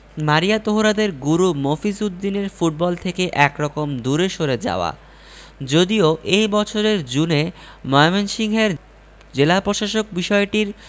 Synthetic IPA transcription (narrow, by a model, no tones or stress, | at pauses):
maɾijat̪oɦoɾad̪eɾɡuɾumofisud̪ːineɾfuʈ̚bɔlt̪ʰekeʔɛkɾɔkomd̪uɾeʃoɾed͡ʑa̰oa̰ | d͡ʑod̪ioʔejbɔt͡ɕʰoɾeɾd͡ʑune | mɔemenʃiŋɦeɾ | d͡ʑelapɾoʃaʃok̚biʃɔeʈiɾ